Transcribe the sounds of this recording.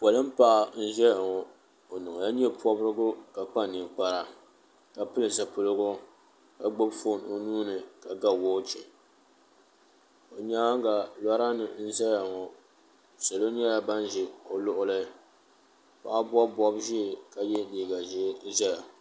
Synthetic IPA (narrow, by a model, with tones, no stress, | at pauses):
pɔ˨lɨ˦m̩˦pa˦ʔa˨n̩˦ʒɛ˦a˨ŋɔ˨ | o˨nɨ˨ŋ˨ja˦ɲɛ˦pʰɔ˦bɾɨ˦ɡʊ˦ka˨k͡pa˦˨nɨ˨m˨k͡pa˦ɾa˦ | ka˨pɨ˦lɨ˨za˨pɨ˨lɨ˦ɡʊ˦ | ka˨ɡ͡bo˦bfo˦˨no˨nuː˦nɨ˨ka˨ɡa˦woː˦t͡ʃɛ˨ | o˨ɲa˦ŋ˦ɡa˨la˦ɾa˦nɨ˨n̩˦zɛ˦ja˨ŋɔ˨ | sa˨lo˦ɲɛ˦la˨ba˦n˦ʒi˨o˨lʊ˦ʔʊ˦lɨ˦ | pa̰˨ʔa˦bɔ˦bɔ˦bʒi˦˨ka˨jɛ˦niː˨ɡa˨ʒi˦ʒɛ˦a˨